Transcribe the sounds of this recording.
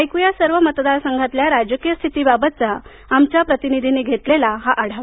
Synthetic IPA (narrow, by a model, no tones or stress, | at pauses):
ajkujasəɾʋəmət̪d̪aɾsəŋɡʱat̪ljaɾad͡ʑəkijəst̪ʰit̪iːbabət̪̚t͡saː | mt͡ɕjapɾət̪inid̪ʱineɡʱet̪lelaɦaʔaɽ̤aʋ